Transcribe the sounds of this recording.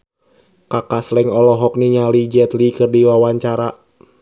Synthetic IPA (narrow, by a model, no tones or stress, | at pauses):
kakaslɛŋɔlɔɦɔk̚niɲalid͡ʒɛt̪likɨrdiwawaɲt͡ʃaɾa